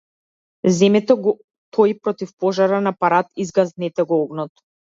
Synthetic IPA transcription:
zɛmɛt̪ɔɡɔ | t̪ʰɔjpɾɔt̪ifpɔʒaɾanapaɾat̪izɡaznɛt̪ɛɡɔɔɡnɔt̪

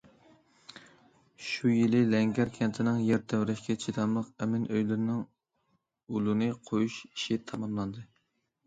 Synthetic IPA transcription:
ʃujilɪlɛŋɡʲæɾkʲʰɛnt̪ʰɪnɪŋjɛɾt̪ʰæwɾɛʃkʲɛt͡ʃʰit̪ʰɑmlˠəqɛmɪnʔøjlɪɾɪnɪŋ | ulˠɨnɨqʰojuʃi̥ʃit̪ʰɑmɑmlˠɑnd̪ɨ

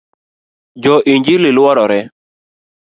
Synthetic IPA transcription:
d͡ʒɔʔiɲd͡ʒililwɔɾɔɾɛ

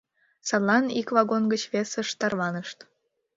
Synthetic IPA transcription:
sɑt̪lɑnikβɑɣonɡət͡ɕβesəʃt̪ɑrβɑnəʃt̪

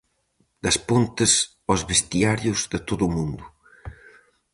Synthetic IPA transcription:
d̪ɐspont̪əs | ɔzβest̪iaɾjuzðət̪oðumũnd̪u

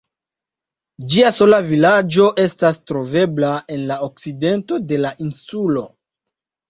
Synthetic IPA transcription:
d͡ʒiaso̞lavilad͡ʒo̞ʔe̞stastɾo̞ve̞blae̞nlaok̚side̞nto̞de̞laʔinsulo̞

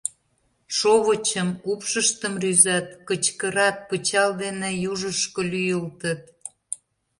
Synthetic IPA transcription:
ʃoβət͡ɕəmupʃəʃt̪əmryzɑt̪̚kət͡ɕkəɾɑt̪̚pət͡ɕɑld̪enejuʒəʃkəlyjəlt̪ət̪̚

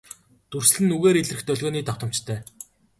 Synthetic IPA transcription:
t̪ur̥sɮɘ̆nːuɣeːɾeɮrɘ̆xt̪œɮʲɣoːniːt̪aw̚t̪ə̆m̥t͡ɕt̪ʰœː

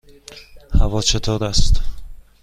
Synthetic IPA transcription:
hævɒːt͡ʃʰet̪ʰoːɾæst̪

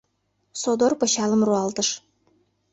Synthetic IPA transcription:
sod̪orpɤ̆ɕɑləmruɑlt̪əʃ

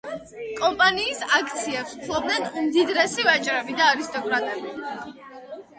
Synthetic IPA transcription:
kʼɔmpʼaniːsakʰt̪sʰiɛpsu̥t̪ʰlˠɔbnɛnmd̪id̪ɾɛsivat͡ʃʼɾɛbid̪aːɾist̪ʼɔkʼɾat̪ʼɛbi

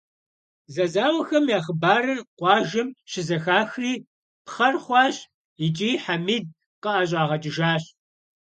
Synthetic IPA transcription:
zɐzaːwɐxɐmjaːχəbaːɾɐrqʷɑːʒɐmʃɪzɐxaːxriː | pχɐrχʷɑːɕ | it͡ʃʼiːħamiːd̚ | qəʔaɕʼɑːʁɐt͡ʃʼɪʒaːɕ

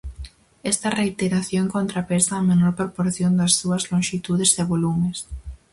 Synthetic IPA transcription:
est̪ɐreit̪eɾaθjoŋkont̪ɾapesɐːmenoɾpɾopoɾθjond̪ɐsːuɐzloŋʃit̪uðezeβolumes

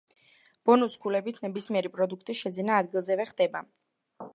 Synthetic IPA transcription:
b̥ɔnusɡʰulɛbit̪ʰnɛbismiɛɾipʼɾɔd̪ukʰt̪ʼiʃɛd̪zinaːd̪ɡilˠzɛvɛχd̪ɛba

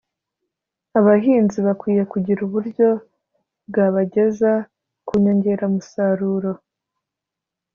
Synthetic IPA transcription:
aβaɦiːnziβakwiːje̞kuɟiɾuβuɾɟo̞ | bɡaβaɟe̞za | kuɲoɲɟe̞ɾamusaɾuːɾo̞

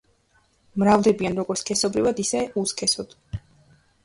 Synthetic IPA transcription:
mɾavd̪ɛbianɾɔɡɔɾt̪skʰɛsɔbɾivad̪isɛuskʰɛsɔd̪̥

